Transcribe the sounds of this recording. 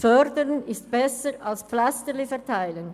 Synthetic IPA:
fœʁdəɾənɪstb̥ɛsəɾalspflastəlifɛɐtʰaɪlən

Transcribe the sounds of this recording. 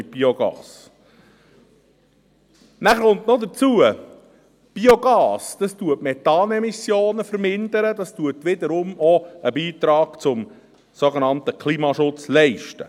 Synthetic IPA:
ɪt̚b̥ioɡɑ̰ːs | næχəɾʊnt̪nɔd̪ət͡suə | b̥ioɡɑːsd̥̪ɑstuətmɛtɑːnɛmisjoːnəfəɾmɪnd̪əɾədɑstuət̪ʋɪd̪əɾʊmɔəbiːt̪ɾɑːɡ̥t͡sʊm | soɡenɑntəkʰliːmɑʃʊt͡slɛɪʃtə̰

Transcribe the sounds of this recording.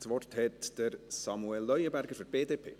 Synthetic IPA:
svɔrthɛtd̥əɾsɑmuɛlːœjəbæɾɡəɾfəɾb̥eːdeːpʰḛː

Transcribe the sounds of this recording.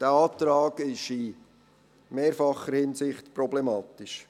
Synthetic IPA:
d̥æɑːtɾɑːɡ̥ɪʃi | meːɾfɑχəɾhɪnsɪχtprɔblɛmɑːt̪ɪʃ

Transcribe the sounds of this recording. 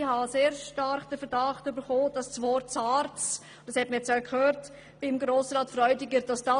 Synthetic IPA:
hɑseːɾʃtɑɾχd̥əfəɾd̥ɑχtʏbəɾχoːd̥ɑssvɔɾtsɑːɾt͡s | d̥ɑshɛt̚məjɛt͡sjakʰhøːɾt | b̥ɪmɡɾoːsɾɑːtfɾœʏdɪɡəɾd̥ɑsd̥ɑ

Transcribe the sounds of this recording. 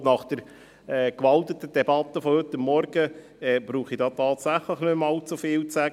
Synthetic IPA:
nɑχd̥əɾ | ɛkʋɑlt̪ət̪əd̥̪ɛbɑt̪ːəfɔhɵt̪ːəmːɔɾɡə | ɛb̥ɾuːχidɑːt̪ɑːt̪sæχləχnɵmmɑlt͡sufɪːlt͡sæɡə

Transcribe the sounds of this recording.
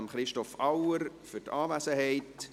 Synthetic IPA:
mχɾɪʃtɔfawəɾfʏtɑːvæsəɦɛɪt

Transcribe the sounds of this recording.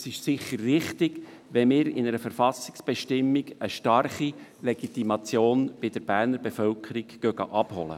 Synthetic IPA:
sɪʃsɪχːəɾːɪχt̪ɪɡʋɛmɪːɾɪ̰nəɾəfəɾfɑsɪ̥ksb̥ɛʃtɪmːiɡəʃtɑrχilɛɡ̥it̪imɑt͡sjoːnb̥ɪd̥̪əɾb̥æɾnəɾbefœlkʰəɾiɡɡ̥œɡ̥ɑ̰ʔɑb̥hɔ̰lə̰

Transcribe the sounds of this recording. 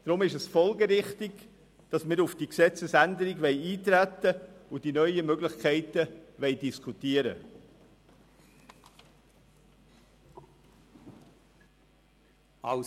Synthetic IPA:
d̥ɾʊmɪʃəsfɔlɡəɾɪχtɪɡ | d̥ɑsməɾʊfd̥iksɛt͡səsændəɾiɡʋɛɪiːt̪ɾæt̪əʊd̥inœʏəmœɡlɪχkʰæɪtəʋɛɪdiskʰutiəɾə̰

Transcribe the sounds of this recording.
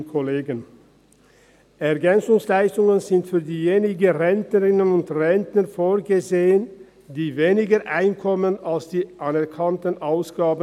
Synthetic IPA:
kʰoleːɡən | ʔɛɐɡɛnt͡sʊŋslaɪstʊŋənzɪntfyːɐdiːjeːnɪɡəʁɛntnəʁɪnənʊntʁɛntnəfoːɐɡəzeːən | diːveːnɪɡəʔa̰ɪnkʰɔmənalsd̥iːʔanɛɐʁkʰantənʔaʊsɡ̥aːbə

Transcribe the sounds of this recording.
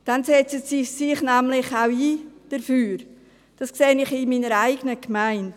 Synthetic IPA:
d̥ansɛt͡sətsisɪχnæmlɪχawiːd̥əɾfyːɾ | d̥ɑskseːənɪχɪmiːnəɾaɪɡənəkmaɪnt

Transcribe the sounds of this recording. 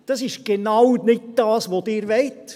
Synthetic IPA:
d̥ɑsɪʃɡ̥enɑwnɪt̚d̥ɑːsʋodɪːɾʋɛɪt

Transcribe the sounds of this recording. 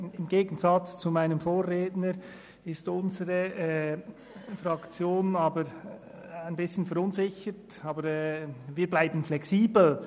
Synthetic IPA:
ɪmɡeːɡən̩zɑt͡st͡sumaɪnəmfoːɾʁeːtnəɾ | ɪstʊnzəɾə | fɾɑkt͡sjoːnɑːbəɾ | aɪnbɪsçənfɛɾʊnzɪçəɾt | ɑːbəɾɛːviːblaɪbn̩flɛksiːbl̩

